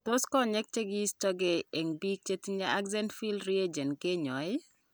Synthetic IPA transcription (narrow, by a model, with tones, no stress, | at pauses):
t̪o˦skɔ˦ɲɛ˦k̚t͡ʃe˦ɡɪ˦stɔ˦ɡe˨e˨ŋbi˦k̚t͡ʃe˦tiɲa˦ʔa˦ɡzɛ˦ntfi˦lɾi˦e˦d͡ʒɛ˨nke˦ɲɔ˨ɪ˦